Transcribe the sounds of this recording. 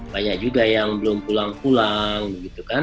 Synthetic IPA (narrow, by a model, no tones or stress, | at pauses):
baɲak̚d͡ʒuɡajaŋbəlʊmpulaŋpulaŋbəɡit̪ukan